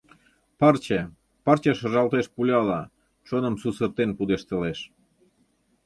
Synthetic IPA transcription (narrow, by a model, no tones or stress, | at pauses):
pɑrt͡ɕe | pɑrt͡ɕeʃə̆ʒɑlt̪eʃpulʲɑlɑ | t͡ʃonə̆msusərt̪enpud̪eʃt̪eleʃ